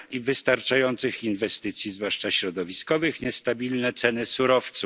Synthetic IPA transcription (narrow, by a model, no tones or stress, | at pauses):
ivɘst̪aɾt͡ʂajɔnt̪sɘxinvɛst̪ɘt̪sʲjizvwaʂt͡ʂaɕɾɔd̪ɔvʲiskɔvɘxɲɛst̪abʲilnɛt̪sɛnɘsuɾɔft̪su